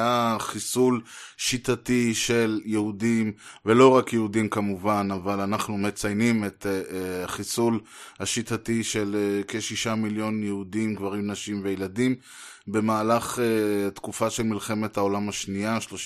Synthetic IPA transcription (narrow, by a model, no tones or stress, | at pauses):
aχisulʃitatiʃe̞ljehudimve̞lo̞ʁakjeudimkamuvanavalanaχnume̞t͡sajnimet̪aχisulhaʃitatiʃe̞lkeʃiʃamiljo̞njehudimɡvaʁimnaʃimvejeladim | be̞maːlaχet̪kufaʃe̞lmilχe̞me̞thao̞lamaʃniaʃloʃ